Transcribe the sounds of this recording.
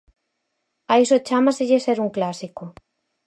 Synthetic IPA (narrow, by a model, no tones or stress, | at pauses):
aisot͡ʃamaseʎeseɾuŋklasiko